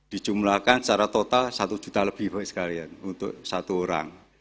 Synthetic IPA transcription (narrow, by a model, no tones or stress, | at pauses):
d̪̥i̤t͡ʃumlakant͡ʃaɾat̪ot̪alsat̪u̥d͡ʒ̥ṳt̪aləb̥ihb̥aʔsə̥kalianunt̪ʊ̰ʔsat̪uoɾa̰ŋ